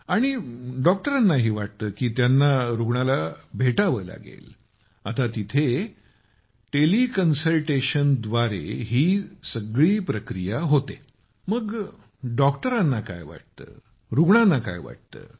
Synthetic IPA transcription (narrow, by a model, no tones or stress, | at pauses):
aɽ̃iɖɔk̚ʈəɾanːaɦiːʋaʈ̚t̪əːkiːt̪janːaɾuɡɳalabʱeʈaʋəːla̰ɡḛl | at̪at̪it̪ʰe | ʈelikənsəlʈeɕənd̪ʋaɾḛɦiːsəɡɭiːpɾəkɾijaɦot̪e | məɡ | ɖɔkʈəɾanːaka̰jʋa̰ʈ̚t̪ə̰ː | ɾuɡɳanːaka̰jʋa̰ʈ̚t̪ə̰ː